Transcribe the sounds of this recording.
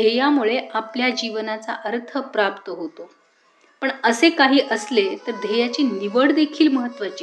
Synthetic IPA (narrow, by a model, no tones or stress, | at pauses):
d̪ʱejamuɭeapljad͡ʑiʋnat͡sa̰ʔəɾt̪ʰəpɾap̚t̪əɦot̪o | pəɳəsekaɦiːʔəslet̪əɾd̪ʱejat͡ɕiniʋəɽd̪ekʰiːlməɦət̪ːʋat͡ɕe